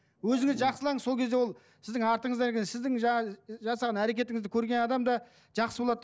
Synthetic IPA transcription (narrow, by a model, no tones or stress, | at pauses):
wɵzɪŋɪzʒɑqsəlˠɑŋəzso̞lkʰʲe̞zewo̞lˠ | sɪzd̪ɪŋɑɾt̪əɴəzɑɾekʲesɪzd̪ɪŋʒɑɑʒɑsɑʁɑnæɾe̞kʲe̞t̪ɪŋɪzd̪ɪkʲʰɵɾɡʲe̞nɑd̪ɑmd̪ɑ | ʒ̥ɑqsəbolˠɑd̪